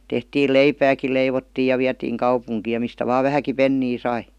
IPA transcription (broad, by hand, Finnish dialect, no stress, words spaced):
tehtiːl leipæːki leiʋotːiːj̆ jɑ ʋiætiːŋ kɑupuŋkiːj jɑ mistæ ʋɑː ʋæhæki penːiː sɑi